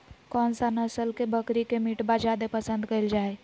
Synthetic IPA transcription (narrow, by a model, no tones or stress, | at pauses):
kɔːnsanəsəlkebəkɾikemiʈbad͡ʒad̪epəsə̃nd̪kəild͡ʒaːe